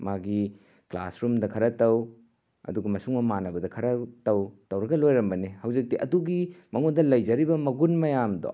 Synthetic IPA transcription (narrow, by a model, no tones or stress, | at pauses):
maɡi | kla̰sɾumdɐkʰɐɾɐtɐw | ɐ̰duɡɐmɐsuŋmɐmanɐbɐdɐkʰɐɾɐtɐwtɐwɾɐɡɐlojɾɐmbɐnihɐwzik̚tiʔɐduɡimɐŋodɐlɐjd͡ʒɐɾibɐmɐɡunmɐjamdo̰